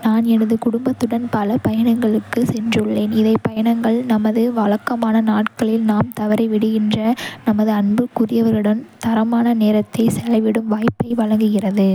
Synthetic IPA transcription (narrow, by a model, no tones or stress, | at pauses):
naːnɛnɐðɯkʊɽʊmbɐt̪ːɯɽɐnpɐlɐpɐjɐɳɐŋɡɐɭɯkːɯsɛndrɯɭːeːnɪðɐɪpɐjɐɳɐŋɡɐɭnɐmɐðɯʋɐɭɐkːɐmaːnɐnaːʈkɐɭɪlnaːmt̪ɐʋɐɾɐɪʋɪɽɯɣɪndrɐnɐmɐðɯɐɳbɯkʊrɪjɐʋɐɾɯɽɐnt̪ɐɾɐmaːnɐneːɾɐt̪ːɐɪsɛlɐɪʋɪɽɯmʋaːjpːɐɪʋɐɻɐŋɡɯɣɪrɐðɯ